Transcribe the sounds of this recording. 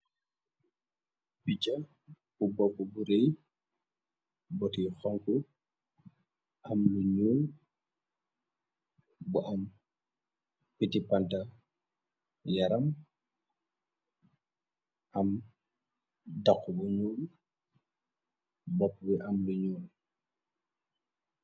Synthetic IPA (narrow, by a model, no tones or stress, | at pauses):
pica | bubɔbubuɾej | bɔtixɔŋku | ʔɐmluɲuːl | buʔɐm | pitipantɐ | jaɾɐm | ʔɐm | dakːubuɲuːl | bɔp̚ːbiʔɐmluɲuːl